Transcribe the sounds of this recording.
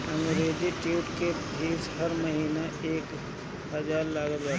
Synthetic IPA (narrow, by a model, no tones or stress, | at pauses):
ə̃ŋɡɾeːd͡ʒiʈuʊʈkeɦiːshɐɾməɦiːnaeːk | ɦɐd͡ʒaːɾlaːɡəlaː